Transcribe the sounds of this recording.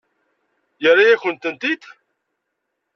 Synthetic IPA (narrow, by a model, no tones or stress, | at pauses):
jərːˤajæçənt̪ənt̪it̪